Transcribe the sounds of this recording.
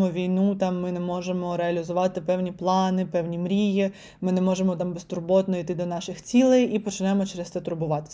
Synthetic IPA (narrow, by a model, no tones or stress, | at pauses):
mɔʋʲijnut̪ɑmːɪnɛmɔʒemɔɾeɐlʲɪzʊʋɑt̪ɪpɛwnʲiplˠɑnɪpɛwnʲimɾʲiji | mɪnɛmɔʒemɔt̪ɑmbest̪ʊrbɔt̪nɔijt̪ɪd̪ɔnɑʃɪxt͡sʲilˠejipɔt͡ʃɪnɛmɔt͡ʃɛɾest̪sɛt̪ʊɾbʊʋɑt̪ɪ̥